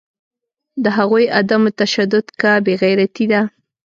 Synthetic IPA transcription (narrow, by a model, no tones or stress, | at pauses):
d̪əɦaɣojad̪amot̪aʃad̪ʊd̪kabeɣajɾat̪id̪a